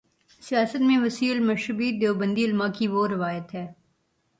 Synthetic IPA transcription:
sijaːsət̪mẽʋɐsiːlmɐʃəbid̪eːobə̃nd̪iɪlmakiʋoɾɪʋaːjət̪ɦɛː

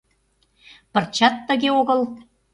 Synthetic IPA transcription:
pə̆rt͡ɕɑt̪ːə̆ɣeoɣɤ̆l

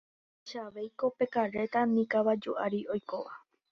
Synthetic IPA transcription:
ʃaʋe̞jko̞pe̞kaɾe̞t̪anĩkaβad͡ʒuʔaɾiojkoʋa

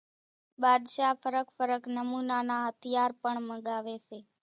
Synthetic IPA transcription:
bad̪ʃafəɾəkfəɾəknəmunanaɦət̪ʰijaɾpəɳməɡaʋeʃe

